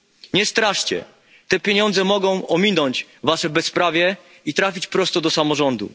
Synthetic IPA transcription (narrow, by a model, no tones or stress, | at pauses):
ɲɛst̪ɾaʂt͡ɕɛ̰ | t̪ɛpʲjeɲɔnd̪zɛmɔɡɔ̃w̃ɔmʲinɔɲt͡ɕvaʂɛbɛsːpɾavʲjɛ | it̪ɾafʲit͡ɕpɾɔst̪ɔd̪ɔsamɔʐɔnd̪ṵ